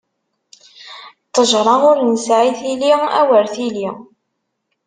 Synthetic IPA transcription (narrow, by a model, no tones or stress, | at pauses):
t̪ˤːəʒɾˤɑʊɾnəsʕiθiliæ̰wəɾθili